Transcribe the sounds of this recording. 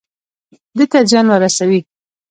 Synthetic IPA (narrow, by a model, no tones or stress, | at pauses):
d̪ət̪ad͡ʒwanwəɾasawi